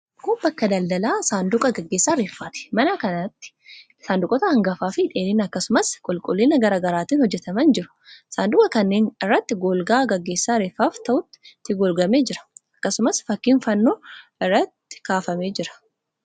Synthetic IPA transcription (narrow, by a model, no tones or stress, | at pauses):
koːbɐkːɐd̪ɐld̪ɐlaːsaːnd̪ʊkʼɐɡɐɡːeːsːaːɾeːfːaːt̪ɪ̥mɐnɐkɐnat̪ːɪ̥ | saːnd̪ʊkʼɔt̪ɐɐŋɡɐfaːfɪᶑeːnɪːnɐkːɐsʊmɐskʼɔlkʼɔlːiːnɐɡɐɾaːɡɐɾaːt̪iːnhɔd͡ʒːɛt̪ɐmɐnd͡ʒɪɾʊ̥saːnd̪ʊkʼɐkɐnːeːnɪrːɐt̪ːɪɡoːlɡaːɡɐɡːe̞ːsːaːɾeːfːaːft̪ɐʔʊt̪ːɪ̥t̪ːɪɡɔlɡɐmeːd͡ʒɪɾɐ̥ɐkːɐsʊmɐsfɐkːiːnfɐnːo̞ːɪrːɐt̪ːɪ̥kaːfɐme̞ːd͡ʒɪɾɐ̥